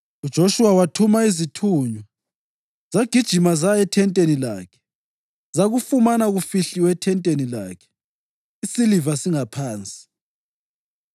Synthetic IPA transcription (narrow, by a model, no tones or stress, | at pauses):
ud̥ʒ̥ʱoʃuwawatʰumaizitʰuɲɔ | zaɡ̥ʱid̥ʒ̥ʱimazaɛtʰɛntʼenila̰ːkʰɛ̥ | zaɣufumanaɣufiɬiwɛtʰɛntʼenila̰ːkʰɛ̥ | isilivasiŋapʰaːnt͡sʼi̥